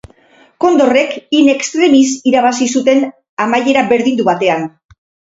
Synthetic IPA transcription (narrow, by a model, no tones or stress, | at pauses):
ko̞nd̪o̞re̞kine̞kst̪ɾe̞misiɾaβ̞asisut̪e̞n | amaje̞ɾaβe̞ɾðind̪uβat̪e̞an